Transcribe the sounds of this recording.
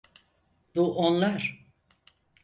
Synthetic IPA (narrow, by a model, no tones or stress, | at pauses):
b̥uʔonlˠaɾ̥